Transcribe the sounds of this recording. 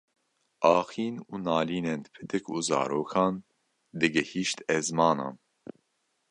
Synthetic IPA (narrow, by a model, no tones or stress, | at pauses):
ʔɑːxiːnuːnɑːliːnɛnd̪ɨpʰɨd̪ɨkʰuːzɑ̰ːɾoːkʰɑːn | d̪ɨɡɛhiːʃt̪ɛzmɑːnɑ̰ːn